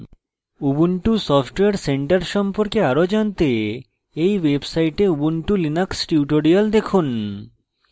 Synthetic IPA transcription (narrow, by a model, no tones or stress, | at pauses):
ubuɳʈusɔfʈweaɾseɳʈaɾʃɔmpoɾkeaɾod͡ʑant̪e | ejwebsajʈeubuɳʈulinaksʈiuʈoɽiald̪ekʰun